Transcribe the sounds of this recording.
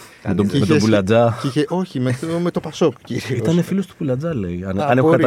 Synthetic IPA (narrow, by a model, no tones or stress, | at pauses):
met̪omebulɐd͡zɐieʔoçimemet̪opɐsokciɾiiot̪ɐnefilost̪o̥pulɐd͡zɐleiɐnɐnekɐt̪